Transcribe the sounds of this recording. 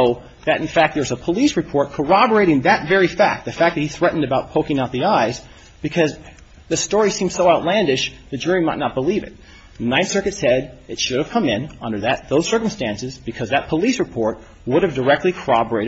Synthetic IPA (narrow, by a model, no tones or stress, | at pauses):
oʊ | ðɨɾ̃n̩fæk̚t̪̚ðə˞ɨzəpʰəlisɹɨpʰɔɹt̚kʰə˞ɑbə˞eɪɾɪ̃ŋðɨtvɛɹifæk̚t̚ðɨfæk̚ðɨt̚hiθɹɛʔn̩dɨbaʊt̚pʰoʊkɪ̃ŋaʊt̪̚ðiaɪz | b̥ɨkʰʌz | ðɨstɔɹisĩm̥soʊaʊtˡlæ̃ndɪʃðɨd͡ʒʊɹimaɪtⁿnət̚b̥əlivɨ̰t̪̚ | nãɪ̃nsɜ˞kɨtsɛɾɨtʃʊɾɨv̥kʰʌ̃mɪ̃nʌ̃ndə˞ðɨt̪̚ðoʊz̥sɜ˞km̩stæ̃nsɨzbɨkʰʌzðɨt̚pʰəlisɹɨpʰɔɹt̚ | wʊɾɨvdə˞ɛk̚tˡlikʰə˞ɑbə˞eɪɾɨ